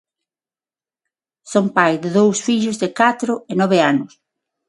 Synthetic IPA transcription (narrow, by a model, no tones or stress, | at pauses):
sompajðɪðowsfiʎʊzðɪkat̪ɾʊenɔβeanʊs